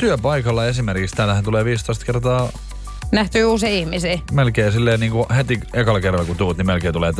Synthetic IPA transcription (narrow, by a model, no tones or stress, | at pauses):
t̪yøpɑikɑlːɑesimerkikst̪æːlːæhænt̪uleːʋiːst̪oist̪kert̪ɑː | næht̪yːuːsiːihmisiːmelkeːsilːeːniːŋkuhet̪iekɑlkerːɑlɑkut̪uːt̪nimelkeːnt̪uleːt̪